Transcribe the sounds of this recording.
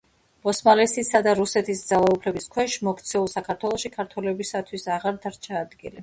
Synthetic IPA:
b̥ɔsmalɛsisad̪aɾusɛt̪ʰisd̪zalˠaupʰlɛbiskʰwɛʃmɔkʰt̪sʰɛulˠsakʰaɾt̪ʰwɛlˠɔʃikʰaɾt̪ʰwɛlɛbisat̪ʰwisaʁaɾd̪aɾt͡ʃʰaːd̪ɡḭli

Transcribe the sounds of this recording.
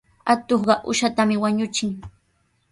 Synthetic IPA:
at̪oχɢɑʔʊʃat̪amɪwaɲʊt͡ʃɪŋ

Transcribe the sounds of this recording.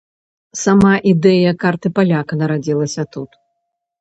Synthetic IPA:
samaʔid̪ɛjɐkːart̪ɨpalʲakɐnɐɾad͡zʲilˠɐsʲɐt̪ut̪

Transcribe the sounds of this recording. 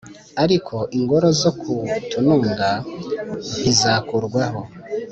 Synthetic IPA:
aɾikʰo̞ʔiŋɡo̞ɾo̞zo̞kʰutunuːŋɡa | zizakuɾɡwaho̞

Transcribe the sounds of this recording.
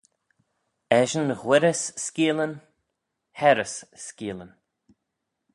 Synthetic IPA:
ɛʒənɣwɪɾəsːkiːlən | hɛɾəsskiːlən

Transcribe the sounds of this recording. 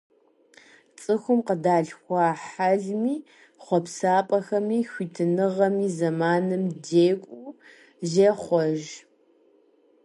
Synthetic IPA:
t͡sʼɨxʷʊmqədaːɮxʷɑːħaɮmiː | χʷɔpsaːpʼɐxɐmiːxʷiːtʰɨnɨʁɐmiːzɐmaːnɨmdeːkʷʼuː | ʒeχʷɔʒ

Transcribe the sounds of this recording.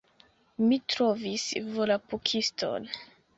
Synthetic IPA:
mitɾo̞visvolapukʰisto̰n

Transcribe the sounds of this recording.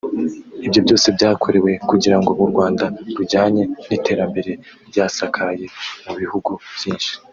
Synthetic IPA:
ibjo̞bɟo̞ːse̞bɟaːkʰo̞ɾe̞we̞kuɟiɾaŋɡo̞βuɾɡwaːndaɾuɟaːɲe̞nite̞ːɾambe̞ɾe̞ | bjaːsakʰaje̞muβihuɡuv̥jiːnʃi̥

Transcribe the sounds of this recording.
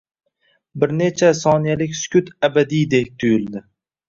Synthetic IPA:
bɪɾne̞t͡ʃʰasɒnijalɪkʲsʊ̥kʲʰʊt̪ʰabad̪ijd̪ek̚ʲt̪ʰʊjɪlˠd̪ɪ

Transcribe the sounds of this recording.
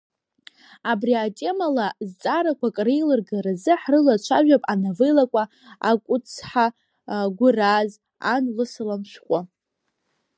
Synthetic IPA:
abriatʼe̞malazt͡sʼaɾakʷakʼrejlɨrɡaɾazɨħrɨlat͡ʃʷʰaʒᶣapʼanavɨjlakʷʼa | a̰kʷʼʊt͡sʰħa | ɡʷʊraz | a̰nlɨsɨlamʃʷᶣqʷʼa

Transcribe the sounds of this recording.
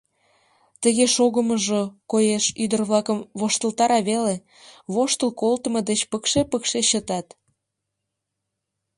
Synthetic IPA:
t̪əɣeʃoɣəməʒokojeʃyd̪ərβlɑkəmβoʃt̪əlt̪ɑɾɑβele | βoʃt̪əlkolt̪əməd̪et͡ɕpəkʃepəkʃeɕət̪ɑt̪

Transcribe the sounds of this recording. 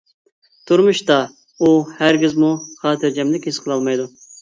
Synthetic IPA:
t̪ʰuɾmuʃt̪ɑ | uhæɾɡʲizmuχɑːt̪ʰɨɾd͡ʒɛmlɪkʲhisqʰəlˠɑlˠmɑjd̪u

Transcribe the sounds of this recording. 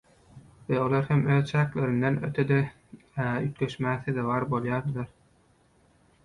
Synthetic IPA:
βeolˠɑɾhemøːðt͡ʃʰæːkleɾind̪enøt̪ʰed̪e | yt̪̚leʃmæːθid̪eβɑːɾbo̞lˠjɑːɾd̪ɯlˠɑɾ

